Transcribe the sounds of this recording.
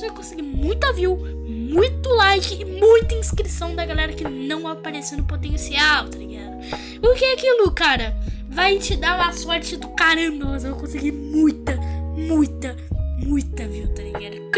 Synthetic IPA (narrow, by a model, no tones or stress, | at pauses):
sewkõsɪɡimũj̃t̪ɐviw | mũj̃t̪ʊlajkɪːmũj̃t̪ɐĩskɾisɐ̃w̃d̪ɐɡalɛɾɐkɪnɐ̃w̃apaɾesẽnʊpot̪ẽsiawt̪ɐɾĩɡad̪ʊ | pʊɾkeakilʊkaɾɐ | vajt͡ʃɪd̪aɾasɔɾt͡ʃɪd̪ʊkaɾɐ̃mbɐmɐzewkõsɪɡimũj̃t̪ɐmũj̃t̪ɐ | mũj̃t̪ɐviwt̪ɐlĩŋɡad̪